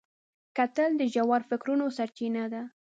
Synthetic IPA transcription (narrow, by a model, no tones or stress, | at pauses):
kat̪əld̪əʒawɑɾfɪkɾunosaɾt͡ʃinad̪a